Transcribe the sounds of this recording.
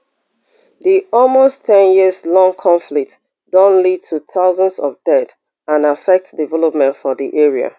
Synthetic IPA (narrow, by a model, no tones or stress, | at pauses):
ðiɔlmostʰɛ̃njiəzlɔ̃ŋkʰɔ̃ɱflik̚t | dɔ̃nlid̚tʰuθaʊzə̃nsɔvdɛt | ãnafɛk̚tdivɛlɔp̚mɛ̃ntfɔðiʔɛɹia̰